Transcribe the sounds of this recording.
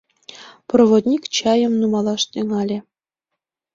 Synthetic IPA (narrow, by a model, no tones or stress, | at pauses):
provod̪ʲnʲikt͡ɕɑjɤ̆mnumɑlˠɑʂt̪ʲøŋɑlʲĕ